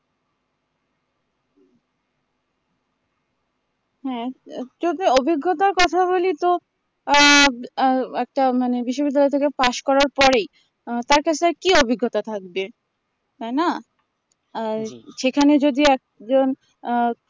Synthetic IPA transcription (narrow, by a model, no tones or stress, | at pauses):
ɦɛ̃d͡ʑot̪iobiɡːot̪aɾkɔt̪ʰaβolit̪o | ɛk̚ʈamanebiʃːobid̪ːalɔet̪ʰekepaʃkɔɾaɾpɔɾej | t̪aɾkat͡ɕʰeaɾkiobʱiɡːot̪at̪ʰak̚be | t̪ajna | ʃekʰaned͡ʑod̪iɛk̚d͡ʑon